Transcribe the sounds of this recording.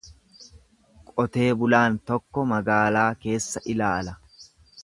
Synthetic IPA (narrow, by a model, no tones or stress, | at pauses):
kʼɔt̪e̞ːbʊlaːnt̪ɔkːɔmɐɡaːlaːke̞ːsːɐʔɪlaːlɐ